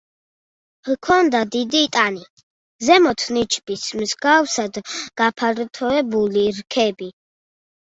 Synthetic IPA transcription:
kʰɔnd̪ad̪id̪iːt̪ʼani | zɛmɔt̪ʰnit͡ʃʰbismzɡawsad̪ɡ̥apʰaɾt̪ʰɔɛbuliɾkʰɛbi

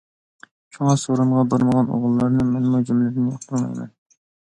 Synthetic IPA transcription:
t͡ʃʰoŋɑsoɾuɴʁɑbeɾməʁɑno̰ʁəlˠːɑɾnɨmɛnmud͡ʒɪmlɪɾnjoχt̪ʰɨlmɑ̰jmɛ̰n

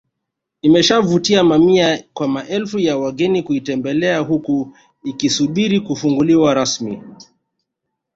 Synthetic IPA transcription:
imɛʃavutiamamiakwamaʔɛlfujawaɠɛnikuitɛmbɛlɛaɦuku | ikisuɓiɾikufuŋɡuliwaɾasmḭ

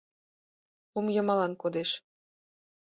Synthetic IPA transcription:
umjɤ̆mɑlɑnkod̪eʃ

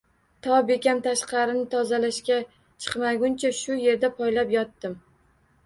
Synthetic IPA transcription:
t̪ʰɒbe̞kʲamt̪ʰaʃqɑɾɪnɪt̪ʰɒzalaʃkʲa | t͡ʃʰɨ̥qmaɡʲʊnt͡ʃʰaʃʊje̞ɾd̪apʰɒjlapjɒt̪ːɪm

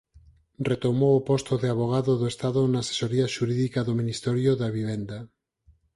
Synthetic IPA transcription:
ret̪omowopost̪oðeaβoɣ̞aðoðoest̪aðonaːse̥soɾiaʃuɾiðikaðomĩnist̪eɾjoðaβiβ̞end̪a

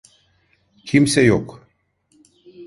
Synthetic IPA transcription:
kʰimsʲejok

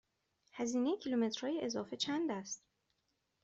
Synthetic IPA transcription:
hæziːneecʲʰilume̞t̪ɾ̥hɒːjeʔezɒːfe̞t͡ʃʰænd̪æst̪

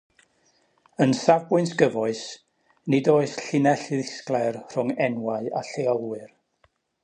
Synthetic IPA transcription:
ənsavbʊɨnsɡ̥əvɔɨs | nɪdoːɨsɬɪnɛɬɪðɪsklˠarr̥ʊŋɛnwaɨa̰ɬeɔlˠwɨr

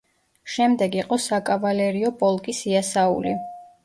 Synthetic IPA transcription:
ʃɛmd̪ɛɡiqʼɔsakʼavalɛɾiɔpʼɔlˠkʼisiasaṵli

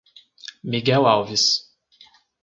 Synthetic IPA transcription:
miɡɛwawvis

